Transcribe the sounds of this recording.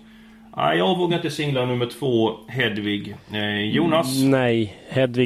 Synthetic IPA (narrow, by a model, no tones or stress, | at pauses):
ʔæ̰ɪjɑːɡvoːɡaɾɪnt̪əsɪŋlanɵmːəʈʰv̥oːɦɛd̪vɪɡjuːnasnɛjhɛd̪vɪ